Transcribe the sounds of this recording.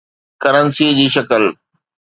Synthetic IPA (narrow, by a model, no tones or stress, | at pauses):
kəɾənsiːd͡ʑiːʃɐkəl